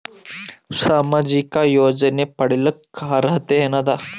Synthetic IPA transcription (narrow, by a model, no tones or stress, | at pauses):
samad͡ʑikajod͡zənepəɽiləkkʰːaɾəɦt̪ejenad̪a